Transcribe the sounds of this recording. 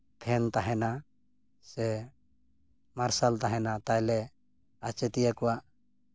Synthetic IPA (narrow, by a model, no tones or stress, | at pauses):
p̪ʰɛnt̪aɦɛna | sɛ | maɾsalt̪aɦɛnat̪ajlɛ | at͡ʃɛt̪ijakɔwaʔ